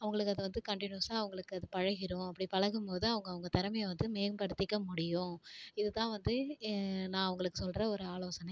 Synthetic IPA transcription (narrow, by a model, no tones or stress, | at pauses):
ɐʋɐŋɡɐɭɯkːɯɐðɯʋɐnd̪ɯkɐɳʈɪnjuɐsaːɐʋɐŋɡɐɭɯkːɯɐðɯpɐɻɐɣɪɾõːɐpːɐɽipɐɻɐɣɯmpoːðɯɐʋɐŋɡɐʋɐŋɡɐt̪ɐɾɐmɐjɐʋɐnd̪ɯmeːmpɐɽɯt̪ːɪkːɐmʊɽɪjʊ̃ɪðɯt̪ãːʋɐnd̪ɯ | nãːɐʋɐŋɡɐɭɯkːɯsɔlɾɐɔɾɯaːloːsɐnɐ